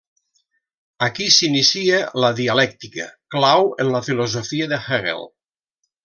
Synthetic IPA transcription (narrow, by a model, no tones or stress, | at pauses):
akisinisiələðialɛk̚t̪ikə̰klawenləfilozofiəðexeɾḛlˠ